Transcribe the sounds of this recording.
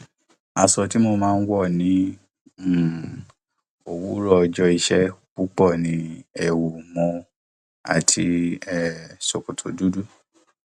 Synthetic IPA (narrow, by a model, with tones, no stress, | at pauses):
a˨sɔ˧ti˨˦mo˧mãː˦˧n̩˦wɔ˦˨nĩ˨˦˨ | o˨wu˨˦ɾɔ˦˨˧d͡ʒɔ˧i˧ʃɛ˦k͡pu˨˦k͡pɔ˦˨nĩ˨˦ɛ˨wu˨mɔ̃˧ | a̰˨tʰi˧ɛ˨so˨ko˨tʰo˨du˦du˦˨